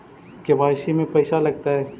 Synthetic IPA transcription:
kebaːʃimẽpɐːsalɐɡ̚t̪aɦɛː

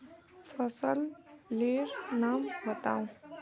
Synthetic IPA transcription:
fʰəsəlleɾnaːmʋət̪a̰ːw̃

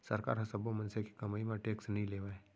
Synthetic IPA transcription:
sɐɾka̰ːɾɦɐsɐbomɐ̃nseki̥kɐmaːimãʈeːksnɐɦĩleːʋae

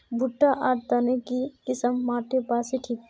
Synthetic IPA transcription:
bʱʊʈːaʔaːʈt̪anekikɪsəmːaːʈ̪epaːseʈʰiːk

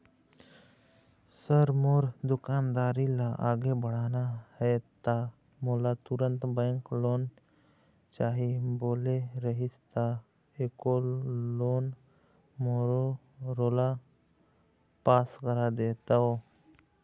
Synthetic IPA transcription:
səɾmoɾd̪ukand̪aːɾilaʔaɡebəɽ̤anahɛt̪a | molat̪uɾə̃nt̪bə̃ŋklon | t͡ʃaɦiboːleɾəɦist̪a | ekoloːn | moɾo | ɾola | paːskəɾad̪et̪ao

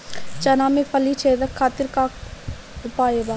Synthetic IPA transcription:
t͡ʃɐnãːmẽpəlit͡ʃʰeːd̪əkʰːaːt̪ɪɾka | ʊpaːebaː

